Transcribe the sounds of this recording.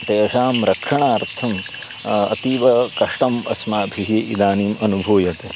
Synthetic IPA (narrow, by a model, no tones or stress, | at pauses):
t̪eːɐʃaːmɾɐkʂɐɳaːɾt̪ʰɐm | ɐ̰t̪iːʋɐkɐʂʈɐmɐ̰smaːbʱiɦeːʔid̪aːniːmɐnubʱoːjɐt̪e